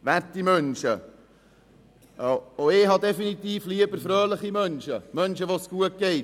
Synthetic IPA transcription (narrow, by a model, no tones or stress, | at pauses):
vɛɾtimœnʃə̰ | oeːɦɑdɛfinit̪iːfliːəbəɾfɾøːləχimœnʃəmœnʃəʋosɡ̥uət̚ɡ̥eɪt